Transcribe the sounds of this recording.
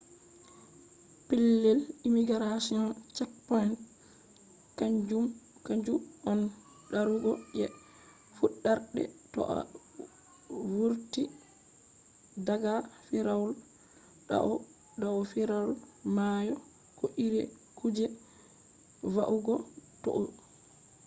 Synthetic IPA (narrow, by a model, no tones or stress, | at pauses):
pɛlːɛlimiɡaɾasiɔnt͡ʃɛkpajn | kaɲd͡ʒumkaɲd͡ʒuɔn | ɗaɾuɡɔjɛ | fuɗːaɾɗɛ̰tɔ̰ʔa̰ | wuɾti | daɡafiɾawul | ɗa̰ʔɔ | dawɔfiɾawlmajɔ | kɔʔiɾɛ̰ | kud͡ʒɛ | vaʔuɡɔtɔ̰ʔo